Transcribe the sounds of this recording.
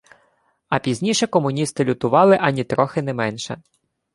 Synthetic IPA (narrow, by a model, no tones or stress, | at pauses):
ɐpʲizʲnʲiʃɛkɔmʊnʲist̪ɪlʲʊt̪ʊʋɑlˠɪʔɐnʲit̪ɾɔxɪnɛmɛnʃɛ